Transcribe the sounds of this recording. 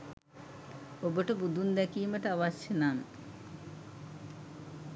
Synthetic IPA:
obəʈəbud̪und̪ɛkiːməʈəaʋasjenan

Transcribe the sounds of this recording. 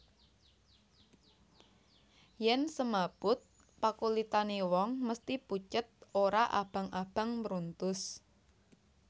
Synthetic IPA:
jɛnsəmab̥ʊt̪̚ | pakulit̪anewɔŋməst̪iput͡ʃət̪̚oɾaʔa̰b̥a̤ŋab̥ä̤ŋmɾunt̪ʊs

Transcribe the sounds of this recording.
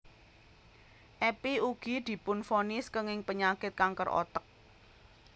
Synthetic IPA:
ʔɛpiuɡ̥i̤d̪̥i̤pʊnfonɪskəŋɪŋpəɲakɪt̪̚kaŋkərʔɔ̰t̪ək̚

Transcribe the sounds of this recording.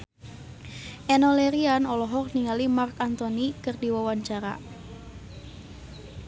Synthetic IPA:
ʔɛnɔleɾianɔlɔɦɔrniŋalimarkant̪onikɨrdiwawaɲt͡ʃaɾa̰

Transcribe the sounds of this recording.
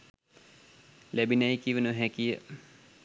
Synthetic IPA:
læbinajkiʋənuɦækijə̰

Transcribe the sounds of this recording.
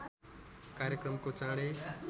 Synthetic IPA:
kaːɾjəkɾəmkoːt͡ʃãːɽeː

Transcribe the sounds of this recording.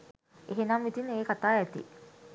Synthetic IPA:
eɦenamʋit̪ineːkat̪aːæt̪ḭ

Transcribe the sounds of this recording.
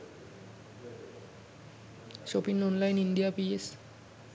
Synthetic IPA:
sopinɔnlajninɖijapies

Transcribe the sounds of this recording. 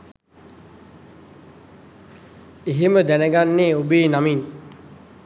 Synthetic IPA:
eɦeməd̪ænəɡanːeːubeːnamin

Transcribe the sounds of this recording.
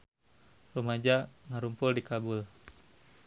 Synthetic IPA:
rumad͡ʒaŋaɾumpʊldikabʊl

